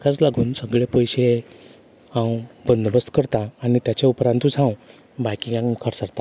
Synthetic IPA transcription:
kʰat͡slaɡuːnsəɡɭepəjɕe | hãw̃bənd̪bəst̪kəɾt̪aːñit̪jat͡ɕaupɾãnt̪ut͡sɦãw̃ | bajkiɡãŋkʰəɾsəɾt̪a

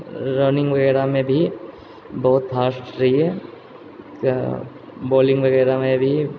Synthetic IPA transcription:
ɾəːnɪ̃ŋɡʋɐɡɛːɾamẽbʱi | bɐɦʊt̪pʰaːsʈɾɐɦiɦɛː | boːlɪ̃ŋɡʋɐɡɛːɾamẽbʱi

